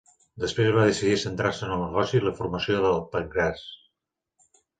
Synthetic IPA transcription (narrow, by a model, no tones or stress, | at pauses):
d̪əspɾezβaðəsiðisənt̪ɾaɾsənəlˠnəɣɔsiləfuɾməsioðəlˠpəŋɡɾas